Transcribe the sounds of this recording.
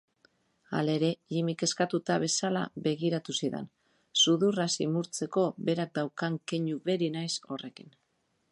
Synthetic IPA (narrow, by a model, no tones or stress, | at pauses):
a̰le̞ɾe̞ʎimike̞skat̪ut̪aβ̞e̞sala̰βe̞ɣiɾat̪usiðḛn | suðurasimuɾt͡se̞ko̞βe̞ɾak̚d̪awkaŋkeɲuβe̞ɾinajso̞re̞kin